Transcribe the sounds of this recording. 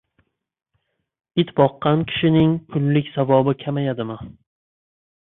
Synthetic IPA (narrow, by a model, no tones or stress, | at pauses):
ɪt̪bɒqːɑnkʲʰɪ̥ʃɪnɪŋkʰʊlːɪkʲsavɒbɪkʲʰamajad̪ɪmɪ